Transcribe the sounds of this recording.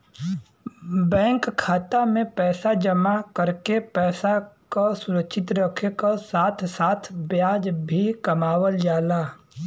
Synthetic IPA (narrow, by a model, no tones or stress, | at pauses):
bɛ̃ːŋkkʰːaːt̪amẽpɛːsad͡ʒəmakəɾkepɛːsakasʊɾəkʃʰɪt̪ɾəkʰekasaːt̪ʰsaːt̪ʰbjaːd͡ʒbʱikɐmaːwəld͡ʒaːlaː